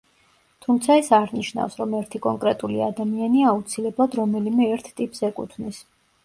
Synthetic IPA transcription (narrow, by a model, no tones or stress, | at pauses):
t̪ʰumt̪sʰaɛsaɾniʃna̰fsɾɔmɛɾt̪ʰikʼɔŋkʼɾɛt̪ʼulḭa̰d̪amianiaaut̪sʰilɛblˠad̪ɾɔmɛlimɛːɾt̪ʰt̪ʼipʼz̥ɛkʼṵt̪ʰvnis